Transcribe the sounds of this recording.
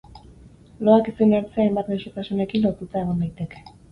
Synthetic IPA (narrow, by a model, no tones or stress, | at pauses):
lo̞akesenaɾt͡seajmbat̪ɣawʃet̪asune̞kinlo̞ɾt̪ut̪ae̞ɣond̪ajt̪e̞ke̞̥